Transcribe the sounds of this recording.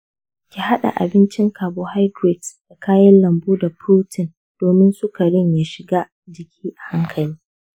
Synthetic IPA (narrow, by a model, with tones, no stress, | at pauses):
kʲi˨ha˦ɗa̰˨ʔa̰˨bɪ˦nt͡ʃɪ˦ŋkaː˨boː˨ha˦jdɾe˨dd̥a˨kaː˦jɐ˦nlɐ˨mbuː˦da˨puː˦tʰɪ˨n | d̥oː˨mɪ˦nsʊ˦ka˨ɽɪ˦ɲjaː˨ʃɪ˨ɡaː˦ | d͡ʒɪ˨kʲʰiː˦ʔa˨ha˦ŋkʰɐ˨liː˦